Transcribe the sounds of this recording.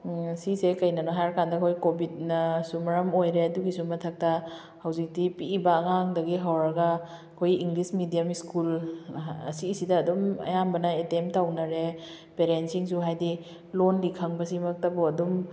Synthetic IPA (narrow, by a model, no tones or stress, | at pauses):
sisekɐjnɐnoɦajɾkandɐkʰojkobit̚nɐsumɐɾɐmojɾeɐduɡisumɐtʰɐk̚tɐ | hɐwzik̚tipiːbɐːŋaŋdɐɡiɦawɾɐɡɐ | kʰojiŋɡlismidijamiskul | ɐsisidɐːdumɐ̰jambɐnɐetemptawnɐɾe | peɾensiŋsuɦajdi | lonlikʰɐŋbɐsimɐk̚tɐbuɐdum